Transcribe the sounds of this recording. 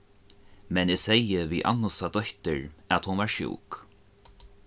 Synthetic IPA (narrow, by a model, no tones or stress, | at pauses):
mɛnesejɪviʔa̰nːʊsad̪ɔht̪ɪɹæt̪hʊnvaɹʃṵːk